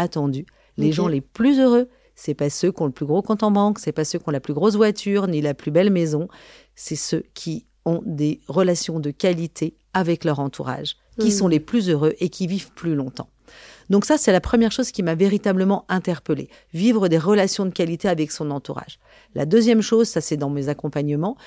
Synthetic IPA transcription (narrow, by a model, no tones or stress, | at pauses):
at̪ɑ̃d̪y | leʒɑ̃leplyzøʁø | sɛpasøkʲɔ̃ləplyɡʁokɑ̃t̪ɑ̃mɑ̃ksɛpasøkʲɔ̃laplyɡʁos̬vwat̪ʰyʁnilaplybɛlmezɔ̃ | sɛsøkʲʰi | ɔ̃d̪eʁəlasjɔ̃d̪əkʲalit̪ʰe | avɛklœʁɑ̃t̪ʰuʁa̰ʒ | kʲisɔ̃leplyzøʁøʔekʲʰivivplylɔ̃t̪ɑ̰̃ | d̪ɔ̃ksasɛlapχəmjɛʁʃozkʲimaveʁit̪abləmɑ̃ɛ̃t̪ɛʁpəlḛ | vivʁəd̪eʁəlasjɔ̃d̪əkalit̪eavɛksɔ̃nɑ̃t̪uʁa̰ʒ | la̰d̪øzjɛmʃozsasɛd̪ɑ̃mezakɔ̃paɲəmɑ̃